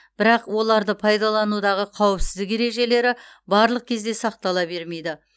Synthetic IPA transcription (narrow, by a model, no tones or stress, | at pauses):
b̥ɪɾɑqwo̞lˠɑɾd̪əpʰɑjd̪ɑlˠɑnud̪ɑʁəqʰɑwɪpsɪzd̪ɪke̞ɾe̞ʒe̞le̞ɾɪ | bɑɾlˠəq̚kʲʰe̞zd̪e̞sɑq̚t̪ɑlˠɑbe̞ɾme̞jd̪ɪ